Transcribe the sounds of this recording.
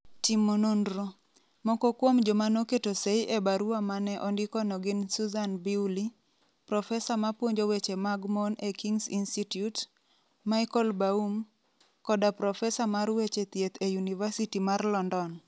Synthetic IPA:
timonondɾo | mɔkɔkwomd͡ʒomanoketoseiʔebaɾuwamanɛʔɔndɪkɔnɔɡɪnsuzanbiwli | pɾɔfɛsamapwoɲd͡ʒowet͡ʃemaɡmɔnekiŋsinstitjut | maɪkɔlbaum | kɔdapɾɔfɛsamaɾwet͡ʃet̪jet̪ʰejunivasitimarlɔndɔn

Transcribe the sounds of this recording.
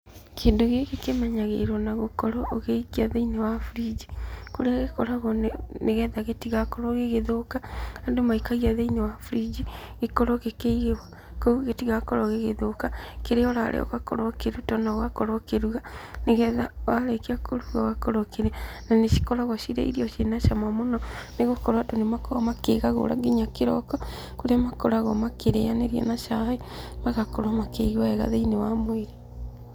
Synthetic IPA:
keːndoɣeɣekemɛɲaɣḛiɾwɔnaɣokɔɾɔːɣeiɣiaðeinewafuɾid͡ʑikoɾeaɣekɔɾaɣɔnneɣɛðaɣetiɣakɔɾɔɣeɣeðokaadomaikaɣiaðeinewafuɾid͡ʑiɣekɔɾɔɣekeiɣewa | kouɣetiɣakɔɾɔɣeɣeðokakeɾeɔɾa̰ɾʔḛɔ̰ɣakɔ̰ɾɔkeɾutɔnaɣakɔɾɔkeɾuɣaneɣɛðawalekiakʰoɾuɣaɣakɔɾokeɾɛnaneʃi̥kɔɾaɣɔʃiɾɛ̰ḭɾiɔʃenaʃamamonɔneɣokɔɾwatonemakɔɔmakeɣaɣo̰ɾa̰ɡiɲakeɾɔkɔ | koɾemakɔɾaɣɔmakeɾeaneɾjɛ̰naʃaemaɣakɔɾwamakeiɣwaɛɣa̰ðeinewamweɾe

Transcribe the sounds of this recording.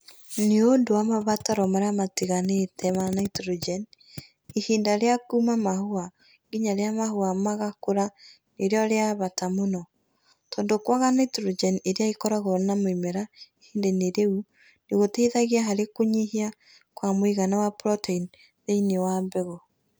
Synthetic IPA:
neondowamaβataɾɔmaɾeamatiɣanetʰɛmanaitɾod͡ʒɛn | ihiːndaɾeakumamahoa | ɡiɲaɾeamahoamaɣakoɾa | neɾjɔɾeaβatamonɔ | tɔːndokwaɣanaitɾod͡ʒɛneɾeaikɔɾaɣɔɾnamoimɛɾaihiːndeneɾeu | neɣoteiðaɣiaɦaɾekoɲihia | kwamoiɣanawapɾɔtein | ðeinewambɛɣo

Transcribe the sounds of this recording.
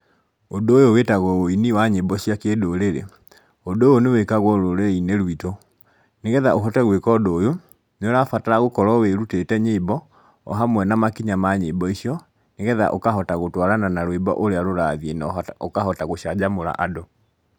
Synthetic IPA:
odoːjowetaɣɔoiniwaɲebɔɕiakedoɾeɾḛ | odoːjonewekaɣwɔɾoɾeineɾwito | neɣɛðaoɦɔtɛɣwekɔdoːjo | noɾafataɾaɣokɔɾɔweɾutetɛɲebɔ | ɔ̰ɦamwɛnamakiɲamaɲebɔiʃiɔ | neɣɛða̰ʔokaɦɔtaɣotwaɾananaɾoebɔ̰ʔoɾeaɾoɾaðienaokahɔtaɣoɕad͡ʑamoɾa̰ʔado

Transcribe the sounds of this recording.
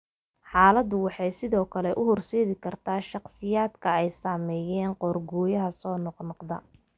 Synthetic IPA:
ħɑːlɐd̪ʊwɑħɑjsɪðɔːkʰɐlɛʔʊhʊrsɛːðɪkʰɐrt̪ʰaːʃɑqsɪjaːd̪kʰɐɛjsaːmɛːjɛːnqɔːrɡɔːjɐɦɐsɔːnɔqnɔqd̪ɐ̰

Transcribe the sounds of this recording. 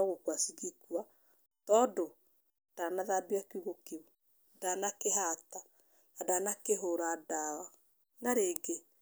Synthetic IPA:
aɣokwasiɣikua | tɔdo | d̥anaðabiakuɣokeu | danakeɦata | nadanakeɦoɾadawa | naɾeːɡe

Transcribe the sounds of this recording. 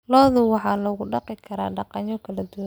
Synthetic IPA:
lɔːðʊwɑħɑːlɔːɣʊɖɑqɪkʰɐɾa̰ːɖɑqɑɲɔkʰɐlɐd̪ʊwan

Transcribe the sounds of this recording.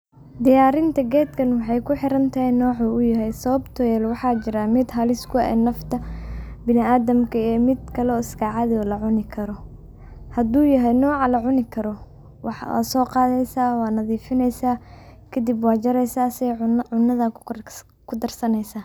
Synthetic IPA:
d̪ɪjaːɾɪnt̪ʰɐɡɛːd̪kʰɐnwɑħɑjkʰʊħɪɾɐnt̪ʰɐɦɛnɔːʕuːʊjɐɦɛjsɐβɐbt̪ʰɔjɛːlwɑħɑːt͡ʃɪɾamɪd̪ɦɐlɪskʰʊɛ̰ːnɐft̪ʰɐbɪnɪaːðɐmkʰɐɛːmɪd̪kʰɐlɔːɪskʰaʕɑðɔːlɐʕʊnɪkʰɐɾɔ | hɐd̪uːjɐɦɛjnɔːʕɑlɐʕʊnɪkʰɐɾɔ | wɑħwa̰ːsɔːqɑːðɛjsaːwɑːnɐðiːfɪnɛjsaːkʰɐd̪ɪbwɑːt͡ʃɐɾɛjsaːsɛjʕʊnːɐðɐ | kʰʊd̪ɐrsɐnɛjsaː

